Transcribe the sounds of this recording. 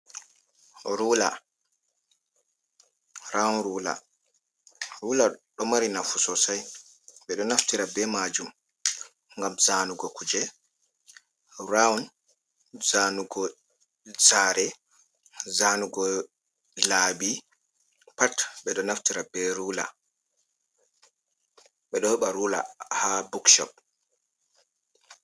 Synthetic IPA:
ɾula | ɾaunɾuːla̰ | ɾuːlaɗɔmaɾinafusɔsaj | ɓɛɗɔnaftiɾabɛmad͡ʒum | ŋɡamzanuɡɔkud͡ʒɛ | raun | zaːnuɡɔ | zaːɾɛ | zaːnuɡɔ | labi | patɓɛɗɔnaftiɾabɛɾuːla̰ | ɓɛɗɔhɛɓaɾula̰habukʃɔ̰p̚

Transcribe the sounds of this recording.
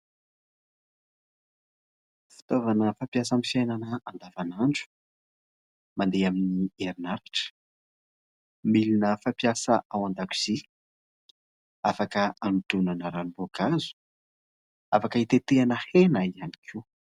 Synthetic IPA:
fi̥t̪ovanəfapjasamifjajnanəand̪avanaɳɖ͡ʐu̥ | mand̪eaminieɾinaɾaʈ͡ʂə̥ | milinəfapjasəʔawand̪aku̥z̥i | afakəant̪unanəɾanibokazu̥ | afakəit̪et̪eanəhenaiani̥kʰi

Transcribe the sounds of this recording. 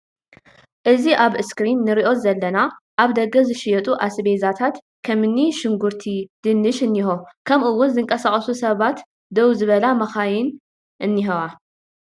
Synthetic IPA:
ʔɨziʔaβɨskɾinːɨɾiʔo̞zɐlːɐnaʔaβd̪ɐɡɐzɨʃɪjɛt̪ʼuʔasbezat̪ʰat̪ | kʰɐmɨnːiʃɨŋɡuɾt̪ʰid̪̥ɨnːɨʃɨnːihokʰɐmʔɨwːʊnzɨŋkʼɐsakʼɐsusɐβat̪ | d̪ɐwzɨβɐlamɐxajɪn | ʔɨnːiɦɐwa

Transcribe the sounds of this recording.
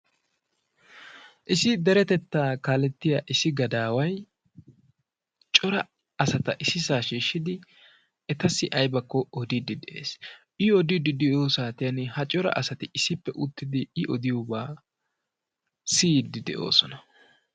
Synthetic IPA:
ʔɪsɪd̪ɛɾɛt̪ɛt̪ːaːkaːlɛt̪ːɪjaʔɪsɪɡɐd̪aːwɐj | t͡ʃʼɔɾɐ | ɐsɐt̪ɐʔɪsɪsaːʃiːʃːɪd̪ɪ | ɛt̪ɐsːɪʔɐjbɐkːɔɔd̪ɪd̪ɪd̪ɛʔḛːs | ʔɪɔd̪ɪd̪ɪd̪ɛjoːsaːt̪ɪjɐnɪhɐt͡ʃʼɔɾɐ̰ʔɐsɐt̪ɪɪsːɪpːɛʔʊt̪ːɪd̪ɪɪʔɔd̪ɪjobaː | siːd̪ɪd̪ɛ̰ʔo̰ːsɔnɐ

